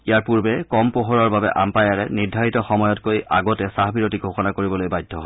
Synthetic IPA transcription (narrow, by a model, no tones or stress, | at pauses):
ijaɹpuɹbɛkɔmpoɦoɹɔɹbabɛ̰ʔa̰mpajaɹɛnidʱaɹitɔxɔmɔjɔtkoja̰ɡɔtɛsaɦbiɹotiɡʱoxɔnakoɹibɔlojbajdʱːɔɦɔ